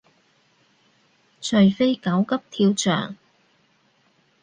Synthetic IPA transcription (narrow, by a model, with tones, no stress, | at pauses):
t͡ʃʰɵ˨˩ɥfe˥jkɐ˨˥wkɐ˥p̚t̪ʰiː˧wt͡ʃʰœ̰ː˨˩ŋ